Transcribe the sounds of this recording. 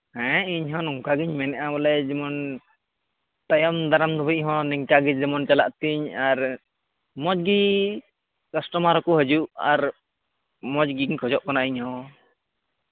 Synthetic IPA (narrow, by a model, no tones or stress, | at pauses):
hɛ̃ɛiɲɦɔ̃nɔŋkaɡiɲmɛnɛʔabɔlɛd͡ʒɛmɔn | t̪ajɔmd̪aɾamd̪ɔbiʔ̚ɦɔ̃nɛŋkaɡid͡ʒd͡ʒɛmɔnt͡ʃalaʔt̪iɲaɾ | mɔd͡ʒɡi | kasʈɔmaɾɔkɔɦəd͡ʒuʔa̰ɾ | mɔd͡ʒɡiɲkʰɔd͡ʒɔʔkanaʔiɲhɔ̃